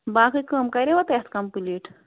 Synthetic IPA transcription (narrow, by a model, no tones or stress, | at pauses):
baːkɨkəmkɐɾʲeʋɐt̪et̪ʰkɐmpuliʈ